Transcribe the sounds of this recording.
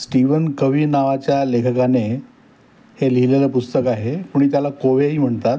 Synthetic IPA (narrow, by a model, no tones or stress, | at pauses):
sʈiʋənkəʋiːnaʋat͡ɕjalekʰəkane | heliileləpust̪əkaɦepuːɳ̃it̪jalakoʋeɦiːm̤əɳt̪at̪